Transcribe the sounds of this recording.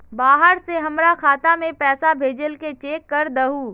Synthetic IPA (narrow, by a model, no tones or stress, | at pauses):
baːɦəɾseɦɐmɾakʰaːt̪amẽpɛːsabʱeːd͡ʒəlket͡ʃeːkːɐɾd̪əɦuː